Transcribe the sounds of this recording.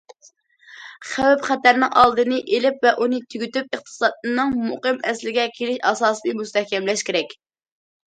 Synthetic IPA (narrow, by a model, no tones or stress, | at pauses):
χæwɛpχæt̪æɾnɪŋʔɑ̰lˠd̪ɨnɨʔelɪpvɛʔunɨt̪ʰyɡʲyt̪yp̚əχt̪ʰɨ̥sɑd̪̚nɨŋmuqɨmɛslɪɡʲɛkʲʰelɪʃɑsɑːslɨjmust̪ɛhkʲɛmlɛʃkʲeɾɛkʲ